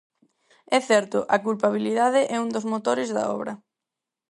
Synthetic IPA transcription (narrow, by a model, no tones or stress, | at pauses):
ɛθɛɾt̪ʊʔɐkulpaβ̞iliðaðɪʔɛuŋd̪ozmot̪oɾɪzðɐ̰ɔ̰βɾɐ